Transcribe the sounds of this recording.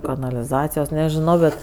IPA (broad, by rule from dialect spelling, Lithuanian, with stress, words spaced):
kɐnɐlʲɪˈzɑːt͡sʲɪjoːs nʲɛʒʲɪˈnɐʊ bʲɛt